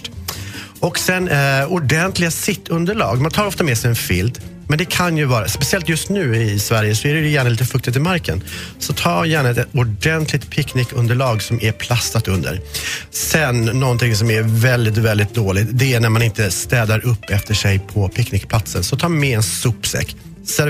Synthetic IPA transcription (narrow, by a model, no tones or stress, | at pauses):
ɔksɛnːʊɖɛnt̪lɪɡasɪt̪ʰːɵnd̪əɭɑ̰ːɡmant̪ʰɑːɾɔft̪amɛsɛjɛnfɪ̰ld̪ | mɛnd̪ɛkʰanjɵvɑːɾaspɛsɪɛlt̪jɵst̪nʉ̟ːɪsvæɾjəsɔæɾɛjjæːɳaliːt̪əfɵk̚t̪ɪt̪ɪmaɾkʰənsɔt̪ʰɑːjæːɳaɛt̪ʊɖɛnt̪ʰlɪɡ̚t̪pʰɪkːnɪkːɵnd̪əɭɑːɡsɔmæɾpʰlast̪at̪ɵnd̪ə̰ɾsɛnːɔnt̪ʰɪŋsɔmævɛld̪ɪt̪̬vɛld̪ɪt̪̚d̪oːlɪɡt̪d̪ɛænæɾmanɪnt̪əst̪ɛːd̪aɾʔɵpːɛft̪əʂɛjpʰɔpʰɪknɪk̚pʰlat̪sənsɔt̪ʰɑːmɛɛnsɵpsɛ̰kː | sɛ